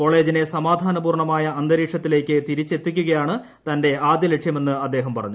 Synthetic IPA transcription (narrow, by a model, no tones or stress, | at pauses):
ko̞ːɭe̞ːd͡ʑine̞sɐmaːd̪ʱaːnɐbuːrɳɐmaːjɐɐnd̪ɐɾiːkʂɐt̪ːile̞ːkʲːɨt̪iɾit͡ɕːe̞t̪ːikʲːuɣɐjaːɳɨ | t̪ɐnde̞aːd̪jɐleʈʂjɐme̞nːɨɐd̪ːe̞ːɦɐmpɐrɐɲːu